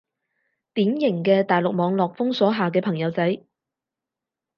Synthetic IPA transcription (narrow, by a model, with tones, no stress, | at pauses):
t̪iː˨˥mjɪ˨˩ŋkɛː˧t̪aː˨˩jlʊ˨k̚mɔː˨˧ŋlɔː˨k̚fʊ˥ŋsɔː˨˥ɦaː˨k̬ɛː˧pʰɐ˨˩ŋjɐ˨˧˥wt͡sɐ˨˥j